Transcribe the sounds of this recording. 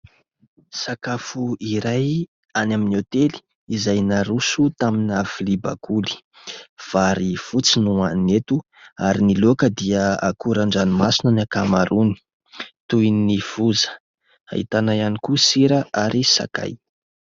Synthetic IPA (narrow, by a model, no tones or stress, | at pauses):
sakafuiɾaj | anaminiot̪eli̥ | izajnaɾusut̪aminaviliba̰kuli̥ | v̥aɾifut͡sinuanet̪u | aɾinilokəd̪iəa̰kuɾaɳɖ͡ʐanimasinənakamaɾuni̥ | t̪ujnniv̥uzə̥ | a̰hḭt̪anajanikusiɾəʔaɾʔisa̰ka̰j